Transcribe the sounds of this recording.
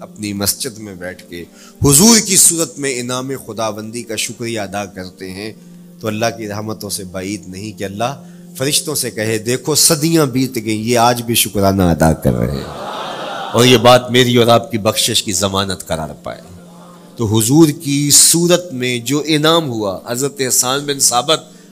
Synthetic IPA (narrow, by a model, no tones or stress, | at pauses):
ɐpnimɐsd͡ʒɪd̪mẽbɛːʈʰke | hʊzuːɾkisuːɾət̪mẽɪnaːmẽxʊd̪aːʋə̃nd̪ikaʃʊkɾijaɐd̪akɐɾt̪eɦɛ̃ | t̪oɐlːaɦkiɾɐɦmət̪õsebaːiːd̪nɐɦĩkeɐlːaɦ | fɐɾɪʃt̪õsekɐɦed̪eːkʰosɐd̪ijãbiːt̪ɡẽjeaːd͡ʒbʱiʃʊkɾaːnaɐd̪a̰kɐ̰ɾːɐ̰ɦɛ̰̃ | ɔːɾjebaːt̪meːɾiɔːɾaːb̚kibɐxʃɪʃkizɐmaːnət̪kɐɾa̰ːɾpa̰ːḛː | t̪oːɦʊzuːɾkisuːɾət̪mẽd͡ʒoːʔɪnaːmɦuaɦɐzɾət̪eɦɐsaːnbɪnsaːbɪt̪̚